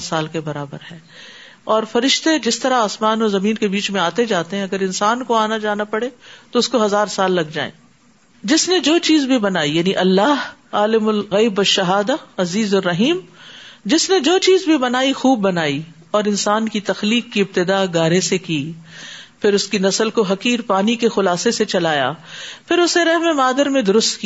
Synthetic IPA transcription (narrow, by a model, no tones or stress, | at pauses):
saːlkebɐɾaːbəɾɦɛː | ɔːɾfɐɾɪʃt̪ed͡ʒɪst̪ɐɾaaːsmaːnɔːzɐmĩːnkebiːt͡ʃmẽaːt̪ed͡ʒaːt̪eɦɛ̃ɐɡəɾɪnsaːnkoaːnad͡ʒaːnapɐɽet̪oʊskoɦɐzaːɾsaːlːɐɡd͡ʒa̰ːḛ̃ː | d͡ʒɪsned͡ʒoːt͡ʃiːzbʱibɐnaːijaːniʔɐlːaːɦaːlɪmʊlɣɐːbwɐʃːɐɦaːd̪aɐziːzʊrːɐɦiːmd͡ʒɪsned͡ʒoːt͡ʃiːzbʱibɐnaːixuːbːɐnaːi | ɔːɾɪnsaːnkit̪ɐxliːkːiɪb̚t̪ɪd̪aːɡaːɾesekiː | pʰɪɾʊskinɐsəlkoɦɐkiːɾpaːnikexʊlaːseset͡ʃɐlaːja̰ːpʰɪɾʊsneɾɛɦmẽmaːd̪əɾmẽd̪ʊɾʊst̪ki